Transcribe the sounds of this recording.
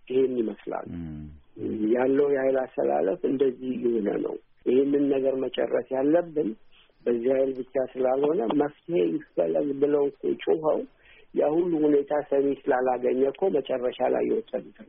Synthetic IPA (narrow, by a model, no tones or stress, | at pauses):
ʔɪhe̞nːiməsla̰lː | jalːəwjɛhajlast̪ʰə̰la̰ləfɨnd̪əzːihjɪhonə̰nə̰w | ʔɪhenːɨnːəɡəɾmət͡ʃʼɛ̰rːəsjalːəbːɨn | bəzːihajlbɨt͡ʃːasɨlalho̞nəməft̪ʰihe̞jɪfːəlːəɡbɨləwkʰo̰t͡ʃʼuɦəw | jahulːuhune̞t̪ʰasəme̞sɨlalaɡəɲːəkʰːomət͡ʃʼɛrːəʃala̰jːɛ̰wɔt̪ʼːəd̪t̪ʰn